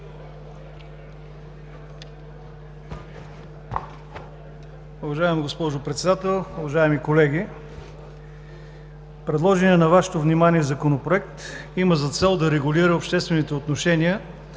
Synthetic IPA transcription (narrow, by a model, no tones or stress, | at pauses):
ʊvɐʒaɛmɡospɔʒopɾɛt̪sɛd̪at̪ɛlˠʊvɐʒaɛmikolɛɡʲi | pɾɛd̪lˠɔʒɛnənɐvaʃɛ̥t̪ovnimanʲiɛzɐkonopɾoɛkt̪iməzɐt̪sɛlˠd̪ɐɾɛɡʊliɾəopʃt̪ɛst̪vɛnit̪ɛot̪noʃɛniə